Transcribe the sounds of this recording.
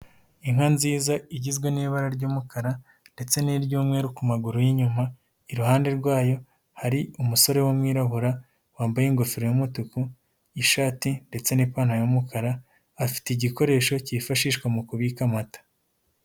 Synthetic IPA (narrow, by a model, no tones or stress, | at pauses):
iŋ̥hanziːzaiɟizɡweniβaɾaɾɟuːmukʰaɾa | nde̞t͡se̞niɾɟjuːmŋeːɾukumaɡuɾujiɲuma | iɾuhaːnde̞ɾɡwaːjo̞ | haɾiumuso̞ɾe̞womŋiːɾaɦuɾa | waːmbajiŋɡofiɾejomutuku | iʃaːtinde̞t͡se̞nipaːnhajomukʰaɾaː | fi̥teiɟiko̞ɾe̞ːʃo̞cifaʃiːʃkwamukuβikamatḁ